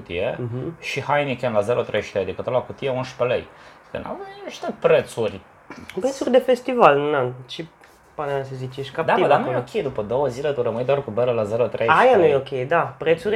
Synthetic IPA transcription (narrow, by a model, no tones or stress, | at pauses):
ut̪ḭjeɦ̩ʃihajnikʲenlazeɾot̪ɾejʃt̪eajd̪ikət̪oɾoakut̪ijeunʃpelej | kə̰nʔa̰mʃt̪əpɾet̪surʲ | pɾet̪surʲd̪efest̪ivalnant͡ʃi | panemasəzit͡ʃeʃkapd̪aiəd̪aneokʲʰejd̪upəd̪owəzilet̪uɾəmɨnd̪oarkubəɾəlazeɾot̪ɾejajanujeokʲejd̪apɾet̪suɾʲ